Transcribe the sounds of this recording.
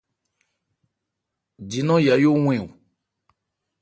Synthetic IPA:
d͡ʒi˨nɔ̃˦ja˨jo˦ŋ̃ʷ˦ɛ̃˦˨wu˨

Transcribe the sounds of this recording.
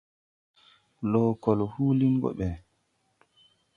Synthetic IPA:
lɔːkɔlhuː˦li˦ŋɡɔ̰ɓɛ˨

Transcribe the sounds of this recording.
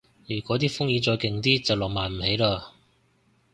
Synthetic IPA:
jyː˨˩kʷɔː˨˥t̪iː˥fʊ˥ŋjiː˨˧t͡ʃɔː˧jkɪ˨ŋt̪iː˥t͡sɐ˨wlɔː˨˩k̚maː˨˩nm̩˨˩he˨˥jlaː˧

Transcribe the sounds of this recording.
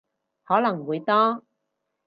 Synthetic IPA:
hɔː˨˥lɐ˨˩ŋwuː˨˧jt̪ɔː˥

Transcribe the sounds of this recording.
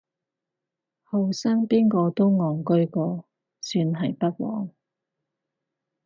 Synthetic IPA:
hɐ˨wsaː˥ŋpiː˥nkɔː˧t̪o˥wŋɔː˨ŋkɵ˥ɥkɔː˧ | syː˧nɦɐ˨jpɐ˥t̚wɔ̰ː˨˥ŋ

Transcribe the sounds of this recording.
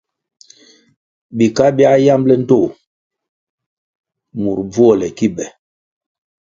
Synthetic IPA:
bi˨ka˦bja˦ja˦mblɛ˦n̩˦to˦˨ | mu˨ɾb͡vwɔ˦lɛ˨ki˦ɓɛ˨

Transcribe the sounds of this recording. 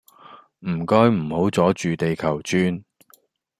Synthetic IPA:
m̩˨˩kɔː˥jm̩˨˩ho˨˥wt͡sɔː˨˥t͡ʃyː˨t̪e˨jkʰɐ˨˩wt͡ʃyː˥n

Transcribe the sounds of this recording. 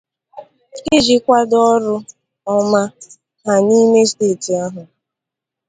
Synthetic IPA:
kɪ˦d͡ʒi˨kʷa˦dɔ˦ɾʊ˦ | ɔ˦ma˦ | ɦa˨ni˦me˦steː˦˨ti˨a˦ɦʊ˨

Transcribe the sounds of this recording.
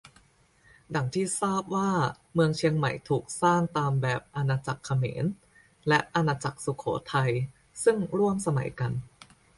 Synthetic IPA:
da˨˩˦ŋt̪ʰiː˥˩saː˥˩p̚waː˥˩ | mɯ˧əŋt͡ɕʰi˧əŋma̰˨˩jt̪ʰuː˨˩k̚saː˥˩ŋt̪aː˧mbɛː˨˩p̚ʔa˧naː˧t͡ɕa˨˩kʰːa˧mḛː˩˦n | lɛ˦˥ʔa˧naː˧t͡ɕa˨˩k̚su˨˩kʰo̰ː˩˦t̪ʰa˧j | sɯ˥˩ŋɾu˥˩əmsa˧ma̰˨˩˦jka˧n

